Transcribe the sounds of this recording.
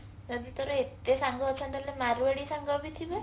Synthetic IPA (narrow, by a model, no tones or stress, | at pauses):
d͡ʒɔd̪it̪oɾɔet̪esaŋɡɔːt͡ʃʰɔnt̪alemaɾueɽisaŋɡɔbit̪ʰibe